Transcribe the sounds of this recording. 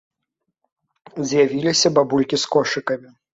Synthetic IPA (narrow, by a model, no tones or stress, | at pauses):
zʲjavʲilʲisʲɐbabulʲkʲiskɔʂɨkɐmʲi